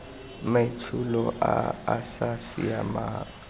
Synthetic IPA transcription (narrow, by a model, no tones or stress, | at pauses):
maitʰulɔʔaasasiamaː